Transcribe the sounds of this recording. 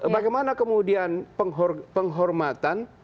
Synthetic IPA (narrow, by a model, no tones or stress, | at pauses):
baɡajmanakəmudianpəŋɦɔrpəŋɦɔrmat̪an